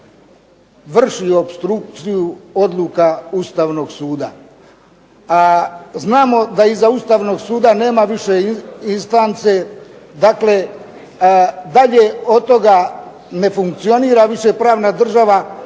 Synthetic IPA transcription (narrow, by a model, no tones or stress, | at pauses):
ʋr̩ʃiopst̪ɾuk̚t̪sijuo̞d̪lˠukaust̪aːʋno̞ɡsuːd̪a | aznaːmo̞d̪aizaust̪aːʋno̞ɡsuːd̪ane̞ːmaʋiʃe̞inst̪ant̪se̞ | d̪akle̞ | d̪aʎeo̞t̪o̞ɡa | ne̞fuŋk̚t̪sio̞niːɾaʋiʃe̞pɾaːʋnad̪r̩ʒaʋa